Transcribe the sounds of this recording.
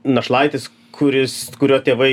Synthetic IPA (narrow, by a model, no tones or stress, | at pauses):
nɐʃlˠɐɪt̪ʲɪs | kʰʊɾʲɪskʊɾʲoːt̪ʲeːʋɐɪ